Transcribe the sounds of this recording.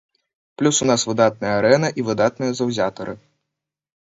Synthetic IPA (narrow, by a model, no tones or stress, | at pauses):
plʲusunasvɨd̪at̪̚nɐjɐaɾɛnɐʔivɨd̪at̪̚nɨjɐzɐwzʲat̪ɐɾɨ